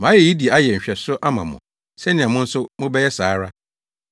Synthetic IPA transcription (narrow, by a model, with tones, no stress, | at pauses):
mã˨˦jɛ˨ji˦di˨a˦jɛ˨ɲ̩˨ɕᶣɛ˨sʊ˦ʔa˦mã̰˨mʊ̰̃˨ | sɛ˦nɪ̃˨ã˨mʊ̃˦n̩˦sʊ˦mʊ̃˦bɛ˦jɛ˦saː˨˦ɾa˦